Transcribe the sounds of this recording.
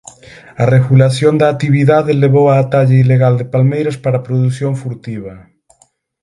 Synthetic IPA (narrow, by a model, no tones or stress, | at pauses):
areɣulaθjond̪aːt̪iβiðaðeleβ̞owaːt̪aʎaileɣald̪epalmejɾaspaɾapɾoðuθjoɱfuɾt̪iβɐ